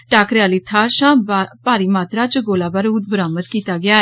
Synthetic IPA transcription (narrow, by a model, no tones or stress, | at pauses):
ʈaːkɾɪaːliːt̪ʰaːɾʃãːbpaːɾiːmaːt̪ɾaːt͡ʃəɡoːlaːbaːɾuːt̪̚bəɾaːmət̪kiːt̪aːɡɪaːɛ